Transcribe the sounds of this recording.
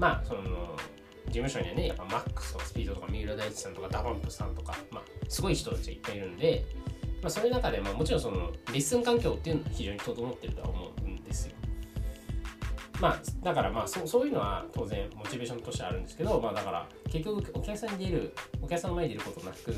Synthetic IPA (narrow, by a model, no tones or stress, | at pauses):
maso̞no̰ | d͡ʑimɯ̟ɕoɲ̟iβa̰ne̞ja̰pːamakːɯ̥sɨ̥t̪o̞kḁsɨ̥pʲiːd̪o̞t̪o̞kamʲiɯɾod̪ait͡ɕi̥sãnt̪o̞kad̪aβãmpɯ̥sã̰nt̪o̞kama̰sɨɡo̞içi̥t̪ot̪at͡ɕiɡaipːaiɾɯ̟̃nod̪e̞maso̞ːjɯnakad̪e̞mamo̞t͡ɕiɾõsonoɾʲisɨ̃ŋkãŋkʲo̞ːt̪ːeiɯ̟noçiʑo̞ːɲ̟it̪ot̪omo̞t̪ːe̞ɾɯ̟t̪o̞a̰omo̞̰ɯ̟ɯnd̪e̞sɨjo̞ | mad̪akaɾa̰maːsoːso̞ːjɨno̞βa̰t̪ʰo̞ːzẽ̞ɴmo̞t͡ɕibe̞ːɕõ̞not̪o̞ɕit̪a̰ɾɯ̟̃nd̪esɨ̥ke̞d̪o̞maːd̪akaɾa̰ | ke̞kʲːo̞kɯokʲakɯ̥sãɲ̟id̪eɾɯokʲakɯsãnmaeɲeɾɯ̟ko̞t̪o̞nakɯ̟